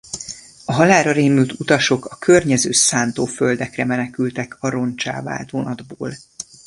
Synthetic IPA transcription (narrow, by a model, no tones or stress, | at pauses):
ɒɦɒlaːɾɒɾeːmyt̪ut̪ɒʃo̞kɒkʰørɲɛzøːsaːnt̪oːføld̪ɛkrɛmɛnɛkylt̪ɛkʰɒɾo̞nt͡ʃa̰ːva̰ːlt̪ʋonɒd̪boːl